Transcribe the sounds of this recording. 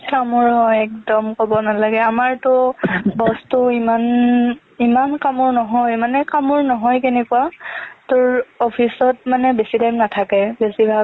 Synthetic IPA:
kamɔɹɦɔjɛk̚dɔmkɔbɔnalaɡɛamaɹtʊbɔstʊiman | imankamɔɹnɔɦɔjmanɛkamʊɹnɔɦɔjkenɛkuatʊɹɔpʰisɔt̚manɛbesitajmnatʰakɛbesibʱa

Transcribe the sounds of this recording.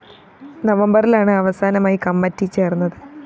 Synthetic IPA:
nɐʋɐmbɐrilaːɳɨɐʋɐsaːnɐmaːjikɐmːɐtːit͡ɕe̞ːrunːɐðɨ

